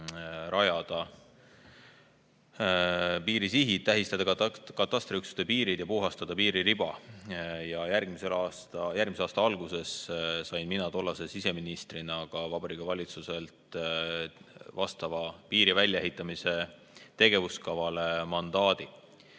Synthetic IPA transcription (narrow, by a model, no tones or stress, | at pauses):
ɾɑjɑd̪̥ɑ | piːɾisiɦit̪ːæɦist̪ɑd̪̥ɑkkɑt̪ːˑɑst̪riyksu̥t̪epiːɾid̪̥jɑpuɦɑst̪ɑd̪̥ɑpiːɾiɾib̥ɑ | jɑjærɡ̥miselɑːst̪ɑjærɡmiseɑːst̪ɑɑlɡ̥use̞ssɑjnminɑt̪o̞lːɑse̞sise̞minist̪rinɑɡ̥ɑvɑbɑɾiːkɑvɑlʲit̪suse̞lt̪ | vɑst̪ɑvɑpiːɾivælʲjɑeɦit̪ːˑɑmise̞ | t̪e̞ɡe̞vuskɑvɑle̞mɑnd̪̥ɑːd̪̥i